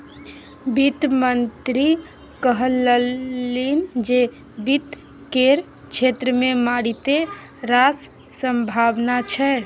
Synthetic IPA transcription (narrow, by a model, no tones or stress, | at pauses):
bit̪mənt̪ɾi | kəɦələind͡ʒe | bit̪ | keɾ | t͡ʃʰet̪ɾəmemaɽit̪e | ɾas | səmbʱabnat͡ʃʰɛ